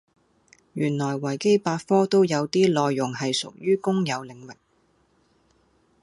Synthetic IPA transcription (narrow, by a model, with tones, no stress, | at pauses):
jyː˨˩nlɔː˨˩jwɐ˨˩jke˥jpaː˧t̚fɔː˥t̪o˥wjɐ˨˧wt̪iː˥lɔː˧jːʊ˨˩ŋɦɐ˨jsʊ̰˨k̚jyː˥kʊ˥ŋjɐ˨˧wlɪ˨˥ŋwɪ˨k̚